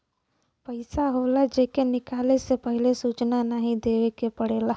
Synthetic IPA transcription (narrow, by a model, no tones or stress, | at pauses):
pəɪsaɦoːlad͡ʒeːkenɪkaːlesepəɦɪlesuːt͡ʃnanaɦĩd̪eːʋekepəɽeːlaː